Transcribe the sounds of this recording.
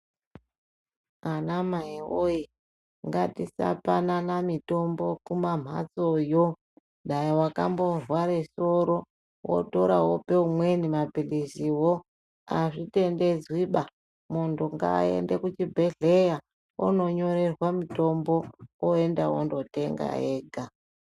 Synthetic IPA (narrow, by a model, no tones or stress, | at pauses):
anamaioji | ŋɡatisa̰pananamito̞mbo̞kumam̤ʱa̰t͡sojo | ɗajiwaka̰mbo̞rwaɾeso̞ɾo̞ | wo̰to̞ɾawope̞umwe̞nimapilisiwo | aʐite̞nde̞d͡zwiɓa | muntuŋɡa̰ḛndekut͡ʃibʱe̞ɮe̞ja | ṵno̞ɲo̞ɾe̞rwamito̞mbo̞oendawo̰ndo̞te̞ŋɡa̰eːɡʱa